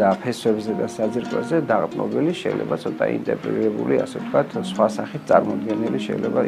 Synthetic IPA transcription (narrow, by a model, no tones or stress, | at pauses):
apʰɛswɛbzɛd̪asad̪ziɾkʼɔzɛd̪aqʼt̪ʼmɔ̰biliʃɛ̰ilɛ̰bat̪sʰɔt̪ʼa̰ḭnt̪ʼɛɾpʼɾɛ̰t̪iɾɛbuliasɛvt̪ʰkʰwat̪ʰsχwasaχit̪t̪sʼaɾmɔd̪̚ɡɛnɛliʃɛilɛba